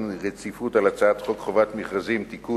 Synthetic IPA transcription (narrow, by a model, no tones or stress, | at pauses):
nʁet͡sifut̪alat͡saat̪χokχovat̪miχʁazimt̪iku